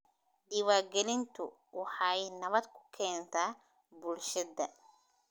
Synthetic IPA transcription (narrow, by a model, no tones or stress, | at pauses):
ɖiwaːrɡɛlɪnt̪ʰʊ | wɑħɑjnɐβɐd̪kʰʊ̥kʰɛːnt̪ʰaː | bʊlʃɐd̪ɐ